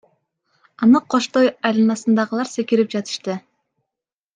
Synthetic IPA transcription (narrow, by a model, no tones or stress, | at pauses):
ɑnɯqʰo̞ʃt̪ojɑjlˠɯnɑsɯnd̪ɑʁɯlˠɑɾsekiɾip̚d͡ʒɑt̪ɯ̥ʃt̪ɯ